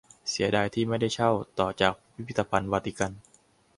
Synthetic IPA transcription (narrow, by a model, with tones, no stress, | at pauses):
si˨˩˦ɐdaː˧jt̪ʰiː˥˩ma˥˩jda˥˩jt͡ɕʰa˥˩wt̪ɔː˨˩t͡ɕaː˨˩k̚wi˦pʰi˦˥t̪ːa˧pʰa˧nwaː˧t̪ʰi˦˧˩ka˧n